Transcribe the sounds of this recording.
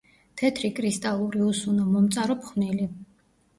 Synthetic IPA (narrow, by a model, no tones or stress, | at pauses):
t̪ʰɛt̪ʰɾikʼɾist̪ʼalˠuɾiusunɔmɔmt̪sʼaɾɔpʰχnili